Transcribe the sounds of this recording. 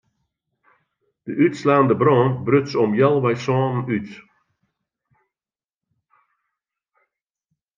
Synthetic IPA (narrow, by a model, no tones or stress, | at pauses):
d̥əʔytslaːndəbrɔːnbrøtsɔmjɛlˠʋɛjsɔːnən̩yt